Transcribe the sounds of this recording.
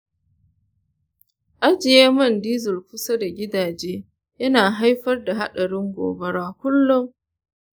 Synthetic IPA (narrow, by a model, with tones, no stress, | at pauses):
ʔa˦d͡ʒɪ˨jeː˦mɐ˦˨ndiː˦zʊ˨lkʊ˦sɐ˦da˨ɡʲɪ˦daː˨d͡ʒeː˦ | jɐ˦naː˨ɦa˦jɸɐ˦rda˨ɦa̰˦ɗɐ˨ɽɪ˦ŋɡʷo̰ː˨bɐ˦ɽaː˦kʷʊ˦lːʊ˦ŋ